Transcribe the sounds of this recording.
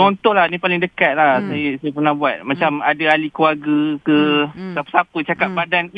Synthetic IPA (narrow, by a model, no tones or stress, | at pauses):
ɔnt̪ɔlahnĩpalɪŋdəkat̪̚lahsajəsajapərnahbuat̪̚mat͡ʃamadaalikuwarɡəkəsapə̥sapət͡ʃakaʔ̚badan